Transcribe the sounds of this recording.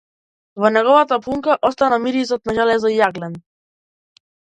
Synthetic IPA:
vɔnɛɡɔvat̪apuŋkaʔɔst̪anamiɾizɔt̪̚naʒalɛzɔijaɡlɛn

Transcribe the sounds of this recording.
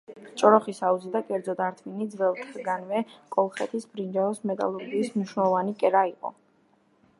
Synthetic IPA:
t͡ʃʼɔɾɔχisauzid̪akʼɛɾd̪zɔd̪aɾt̪ʰvinid̪zvɛlˠt̪ʰʼɡanvɛkʼɔlˠχɛt̪ʰisbɾind͡ʒaɔsmɛt̪ʼa̰lˠɔɾɡiːsmniʃnɛlˠɔvanikʼɛɾaiqʼɔ̰

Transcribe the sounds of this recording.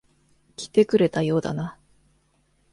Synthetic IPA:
kʲi̥t̪e̞kɯ̟ɾe̞t̪ajo̞ːd̪a̰na

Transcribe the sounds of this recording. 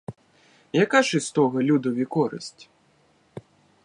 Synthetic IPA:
jɐkaʃɪst̪ɔɣɐlʲud̪ɔʋʲikɔɾɪ̰sʲtʲ

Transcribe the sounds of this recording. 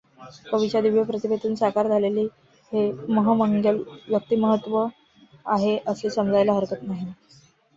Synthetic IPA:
kəʋit͡ɕad̪iʋjəpɾət̪ibʱet̪uːnsakaɾd͡zʱaleliː | heməɦəməŋɡəljək̚t̪iːməɦət̪ːʋə | aɦeʔəsesəmd͡zʱajlaɦəɾkət̪naɦi

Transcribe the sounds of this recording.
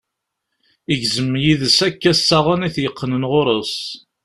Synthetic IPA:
iʝzəmːjiðəsækːæsːaʁʊniθjəqːənənʁoɾˤos

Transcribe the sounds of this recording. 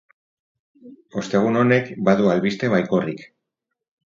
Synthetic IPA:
o̞st̪e̞ɣ̞uno̞ne̞kbaðualβist̪e̞βajko̞rik

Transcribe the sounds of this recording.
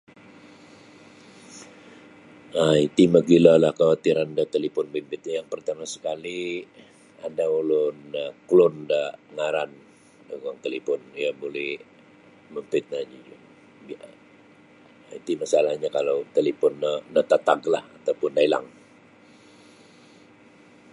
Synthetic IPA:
ait̪iməɡilalahkawat̪iɾandət̪əlipʊnbimpɪt̪̚ɲajaŋpərt̪amasə̥kali | adaulʊnːaklʊndaʔŋaɾan | dəɡɔŋt̪əlipɔnijabolɛh | məmpɪt̪̚nad͡ʒi | bi | it̪imasalahɲakalawt̪əlipɔnːəːət̪at̪aɡla̰hat̪awpʊndaila̰ŋ

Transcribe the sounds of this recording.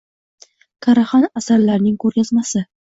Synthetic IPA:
kʰaɾaχɒnasaɾlaɾnɪŋkʰɵɾɡʲazmasɪ

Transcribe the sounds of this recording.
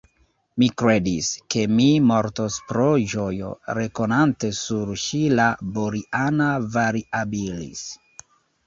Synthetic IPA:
mikɾe̞diske̞mimo̞ɾtospɾod͡ʒojo̰ɾe̞ko̞nante̞suɾʃilaboɾiʔanavaɾiʔabilḭs

